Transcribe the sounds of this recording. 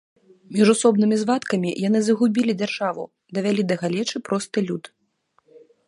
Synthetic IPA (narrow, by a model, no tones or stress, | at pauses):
mʲiʐusɔbnɨmʲizvat̪kɐmʲḭjanɨzɐɣubʲilʲid͡zʲarʐavṵ | d̪ɐvʲalʲid̪ɐɣalʲɛt͡ʂɨpɾɔst̪ɨlʲut̪